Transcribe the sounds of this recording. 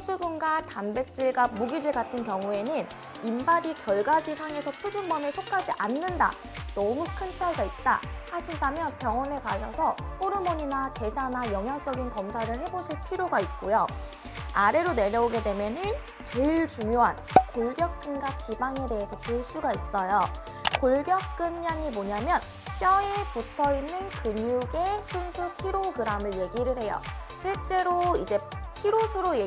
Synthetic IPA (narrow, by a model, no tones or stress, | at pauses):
s͈ʰubunɡatanbe̞k̚t͡ɕ͈iɭɡamuɡid͡ʑiɭɡatʰɯnkjʌŋue̞nɯn | imbaɾikjʌɭɡad͡ʑisʰaŋe̞sʰʌpʰjud͡ʑunbʌmesʰok̚k͈ad͡ʑiʔanːɯnda̰ | nʌmukʰɯnt͡ɕʰaɭɡait̚t͈a̰haɕʰindamjʌnpjʌŋʌnekaɕʰʌsʰʌpʰoɾɯmʌɲinate̞sʰanajʌŋɦjaŋt͡ɕ͈ʌɡinkʌmsʰaɾɯɭɦe̞boɕʰiɭpʰiɾjoɡait̚k͈ojo | aɾe̞ɾone̞ɾjʌoɡe̞dwe̞mjʌnɯn | t͡ɕeiɭt͡ɕuŋjoɦankoɭɡjʌk̚k͈ɯnɡat͡ɕibaŋe̞de̞ɦesʰʌpuɭs͈uɡais͈ʌjo | koɭɡjʌk̚k͈ɯnɲaŋimoɲamjʌn | pjʌeputʰʌinːɯnkɯɲuɡe̞sʰunsʰukʰiɾoɡɯɾamɯɭje̞ɡiɾɯɭɦe̞jʌ̰ɕʰiɭt͡ɕ͈e̞ɾoid͡ʑe̞pʰiɾosʰɯɾoje